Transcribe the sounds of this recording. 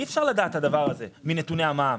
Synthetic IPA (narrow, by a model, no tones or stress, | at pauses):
iefʃaʁlad̪aːt̪had̪avaʁaze̞minet̪une̞amam